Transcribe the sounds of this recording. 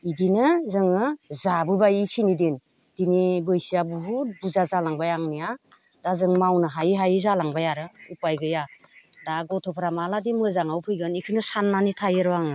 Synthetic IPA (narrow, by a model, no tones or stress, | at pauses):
idinɯzɯŋɯzabɯbajikʰinidin | d̥inibɯjsijabuɦubuzazalaŋbajaŋnija | d̥azɯŋmawnɯɦajɦajzalaŋbajaɾɯupajɡɯja | daɡɔtʰɔpʰɾamaladimɯzaŋawpʰɯjɡɯnikʰɯnɯsanːanitʰajɯɾɔwaŋɯ